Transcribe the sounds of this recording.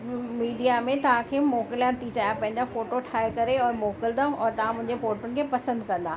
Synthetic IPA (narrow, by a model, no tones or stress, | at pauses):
miːɖijamẽt̪ɐʋ̤ãkʰeːmoːkɪljãt̪it͡ɕaːjãpɐ̃ɦɪ̃ɲd͡ʑafoːʈoʈʰaːekɐɾeɔːɾmoːkɪld̪ãɔːɾt̪ɐʋ̤ãmʊ̃ɦɪ̃ɲd͡ʑepoːʈʊnkʰeːpɐsə̃nd̪kɐ̃nd̪aː